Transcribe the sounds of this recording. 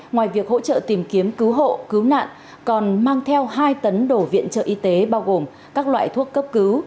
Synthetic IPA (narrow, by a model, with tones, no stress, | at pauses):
ŋwaː˨˩jvi˨˩ək̚ho̰˧˥t͡ɕə̰ː˧˨t̪i˨˩mki˨˦əmkɨ˨˦wɦo̰˧˨kɨ˨˦wna̰ː˧˨n | kɔ˨˩nmaː˧ŋt̪ʰɛ˧wɦaː˧jt̪ə˨˦nɗo˧˩vḭ˧˨ənt͡ɕə̰ː˧˨ʔi˧t̪e˨˦ɓaː˧wɣo˨˩m | kaː˦˥k̚lwa̰ː˧˨jt̪ʰu˦˥əkːə˦˥p̚kɨ˨˦w